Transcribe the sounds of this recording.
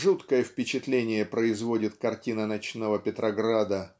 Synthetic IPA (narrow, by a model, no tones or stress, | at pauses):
ʐut̪kəjəfpʲɪt͡ɕɪt̪lʲenʲɪjəpɾəɪzvo̞dʲɪt̪kɐrtʲinənɐt͡ɕnovəpʲɪt̪ɾɐɡɾad̪ə